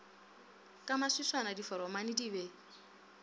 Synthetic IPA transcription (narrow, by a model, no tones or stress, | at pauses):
kʼamasiswanadifɔɾɔmanidiβe